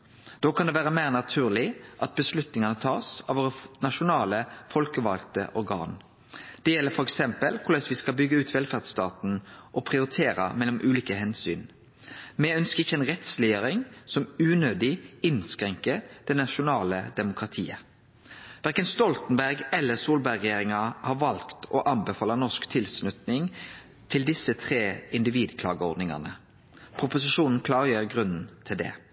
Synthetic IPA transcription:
d̪̥oːkʰɑnd̪ɛʋæːʁəmæɪʁnɑt̪ʰʉːʁlɪʔɑt̪̚bəslʉt̪nɪŋɑnət̪ʰɑːsɑʋoːɾənɑʃʊnɑːləfɔlkəʋɑ̰lt̪ə̰ʔɔɾɡɑ̰ːn | d̪̥ɛjɛlːəɾfɔɾɛksɛmpəlkʰʊlɛsʋɪskɑlbʏɡəʉːt̪ʋɛlfæʁd̪st̪ɑːt̪n̩ʔɔpʰʁɪʊɾɪt̪ʰeːɾə̰mɛlːɔmʔʉːliːkəhɛnsy̰ːn | mɛœnskəɪçːəɛnʁɛt̪slɪjøːɾɪŋsɔmʉːnøːd̪ɪɪnskɾɛŋkəd̪̥ɛnɑʃʊnɑːləd̪ɛmʊkʁɑt̪ʰiːə | ʋæʁkənst̪ɔlt̪nbæʁɡɛlːəsuːlbæɪʁɛjeːɾɪŋɑhɑːʋɑlkt̪ɔʔɑnbɛfɑːlənɔskt̪ʰɪlsnʉt̪nɪŋ | t̪ʰɪld̪ɪsːət̪ʰʁeːɪnd̪ɪʋiːd̪kʰlɑ̰ːɡəɔʁd̪nɪŋɑ̰nə | pʰʁʊpʊsɪʃuːnn̩kʰlɑːʁjøːʁɡʁʉnn̩t̪ʰɪld̪ɛ̰

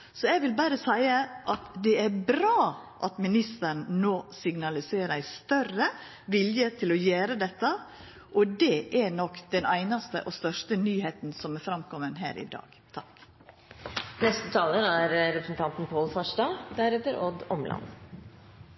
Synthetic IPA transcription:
sɔɛɡʋɪlbæɾəsæɪəʔɑt̪d̪ɛæbɾɑːʔɑt̪mɪnɪst̪əɳnoːsɪɡnɑlɪseːɾæɪst̪œrə | ʋɪljət̪ʰɪlɔjæːɾəd̪ɛt̪ːɑ | ʔɔd̪ɛʔæɾnɔkd̪̥ɛnæɪnɑst̪ə̰ʔɔst̪œʂtənyːheːt̪n̩sɔmɛfɾɑmkʰɔmːənɦæ̰ːɾʔɪ̰d̪ɑ̰ːɡ̥t̪ʰɑk | nɛst̪ət̪ʰɑːləɾæɾɾɛpɾəsn̩t̪ʰɑnt̪n̩pʰoːlfɑʂɖɑːd̪æɾɛft̪əɾɔd̪ɔ̰mlʔɑ̰n

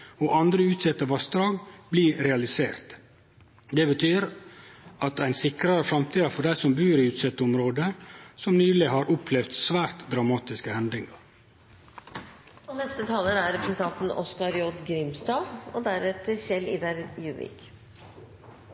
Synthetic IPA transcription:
oːʔɑnd̪ɾəʉːt̪sɛt̪ːəʋɑsd̪ɾɑːɡbliːɾɛɑlɪseːɾt̪ | d̪ɛbət̪ʰyːɾ | ʔɑt̪æɪnsɪkɾɑɾəfɾɑmt̪iːd̪ɑfɔɖæɪsɔmbʉːɾiʉːt̪sɛt̪ːʊmɾoːd̪əsɔmnyːlɪhɑːɾʔʊpʰlɛʋt̪sʋæːɾt̪d̪ɾɑmɑːt̪ɪskəhɛnd̪ɾɪŋɑɾ | ɔnɛst̪ət̪ʰɑːləɾæɾɛpɾəsɛnt̪ʰɑnt̪n̩ɔ̰skɑɾjɔd̪ɡɾɪmst̪ɑːʋɔ̰d̪æɾɛt̪əçɛlḭːd̪ɑɾjʉːʋɪ̰k

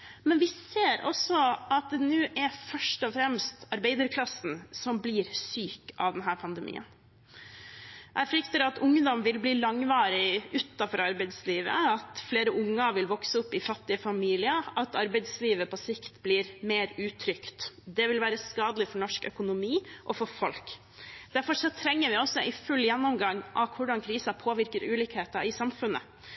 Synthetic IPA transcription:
mɛnʋɪseːɾɔ̰sɔɑt̪̚d̪ɛnʉːʔæɾfœʂʈɔfɾɛmst̪ɑɾbæɪd̪əɾkʰlɑsn̩sɔmbliːɾsyːkɑ̰ʋd̪ɛnɦæːɾpʰɑnd̪əmʔḭːə̰n | ʔæfɾʏkt̪əɾɑt̪ʰʊŋːd̪ɔmʋɪlbliːlɑŋʋɑːɾɪʉːt̪ːɑfɔɾɑɾbɛɪd̪sliːʋə̰ɑt̪fleːɾəʔʊŋːəʋɪlʋɔksəʊpːɪfɑt̪ːɪəfɑmiːlɪəʔɑt̪ɑɾbɛɪd̪sliːʋəpʰɔsɪkt̪bliːɾmeːɾʉːt̪ʰɾʏkt̪d̪ɛʋɪlʋæːɾəskɑːd̪əlɪfɔɳɔʂkœ̰kʊnʊmiːʔɔfɔɾfɔlk | d̪̥æɾfɔʂɔt̪ʰɾɛŋːəɾʋɪɔsːɔʔɪfʉljɛnːɔmɡɑŋːʔɑʋkʰʊɖɑnkʰɾiːsɑpʰoːʋɪɾkəɾʉːliːkheːt̪ɑɪsɑmfʉnːə̰

